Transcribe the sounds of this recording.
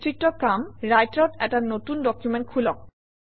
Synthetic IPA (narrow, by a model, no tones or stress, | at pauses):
tɾiʈːokamɾajʈɾaʈɛk̚ʈanot̪unɖɔkjumenʈ̚kʰulɔk̚